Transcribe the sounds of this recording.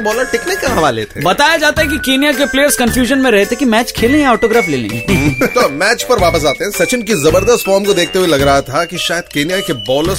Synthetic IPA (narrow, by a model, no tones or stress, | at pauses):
bɔːləɾʈɪknekːaɦɐʋalḛːt̪ʰẽbɐt̪aːjad͡ʒaːt̪aɦɛk̬ikeːnijak̬epleːəɾskɐ̃nfjuːʒənmẽɾɐɦet̪ekimɛːt͡ʃkʰeːlẽɔːʈoːɡɾaːfleːlḛ̃t̪oːmɛːt͡ʃpɐɾʋaːpəs̬aːt̪eɦɛ̃sɐt͡ʃɪnkizɐbəɾd̪əst̪fɔːɾmkod̪eːk̚ʰt̪eɦuelɐɡɾɐɦat̪ʰakiʃaːjəd̪̚keːnijakebɔːləɾ